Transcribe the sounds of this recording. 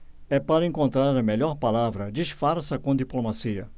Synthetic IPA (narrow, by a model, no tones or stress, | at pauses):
ɛpaɾɐẽkõnt̪ɾaɾɐmeʎɔɾpalavɾɐd͡ʒiʃfaɾsɐkõd̪iplomasiɐ̰